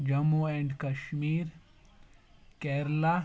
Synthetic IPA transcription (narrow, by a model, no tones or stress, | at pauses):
d͡ʒɐmuẽɳɖkɐʃmiːɾ | keɾla